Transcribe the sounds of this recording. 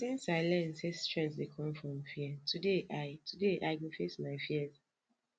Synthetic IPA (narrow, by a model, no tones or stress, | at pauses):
sĩnsaɪlɛ̃nsestɹɛ̃ntsdekʰɔ̃mfɹɔ̃mfiɛtudeʔaɪtʰudeʔaɪkifesmaɪfiɛz